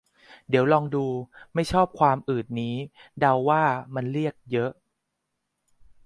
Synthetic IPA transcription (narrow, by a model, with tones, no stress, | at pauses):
di˩˦wlɔː˧ŋduː˧ma˥˩jt͡ɕʰɔː˥˩p̚kʰwaː˧mʔɯː˨˩t̪̚niː˦˥da˧wːaː˥˩ma˧nɾi˥˩ək̚jɤ˦˥ʔ